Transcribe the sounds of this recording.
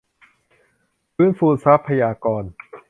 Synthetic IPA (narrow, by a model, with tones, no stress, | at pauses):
pʰɯː˦˥˨nfuː˧˩nsa˦˥pʰːa˧jaː˧kɔː˧n